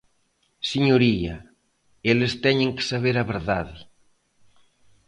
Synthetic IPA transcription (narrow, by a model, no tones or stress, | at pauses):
siɲoɾiɐ | elɪst̪ɛɲẽŋkɪ̥saβ̞eɾɐβeɾðaðɪ